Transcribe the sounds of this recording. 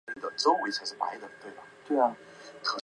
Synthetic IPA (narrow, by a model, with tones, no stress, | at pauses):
d̪ə˨˩ʈ͡ʂo˥ʊwe˧˥ɪt͡sʰʂɻ̩˥˩pa̰˧˥ɪd̪ə˨˩t̪we˥˩ɪbɐ˩t̪we˥˩˨ | t̪ʰɤ˧˥